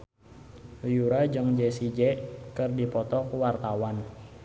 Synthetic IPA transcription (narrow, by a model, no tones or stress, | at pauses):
ljuɾad͡ʒəŋd͡ʒɛsid͡ʒɛkɨrdipɔt̪ɔkuwart̪awan